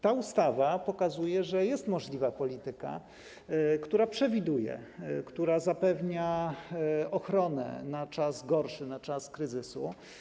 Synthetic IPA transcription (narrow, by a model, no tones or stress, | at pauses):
t̪aust̪avapɔkazujɛʐɛjɛst̪mɔʐlʲivapɔlʲit̪ɘka̰ | kt̪uɾapʂɛvʲid̪ujɛ̰kt̪uɾazapɛvɲa | ɔxɾɔnɛ̰nat͡ʂazɡɔɾʂɘnat͡ʂaskɾɘzɘsu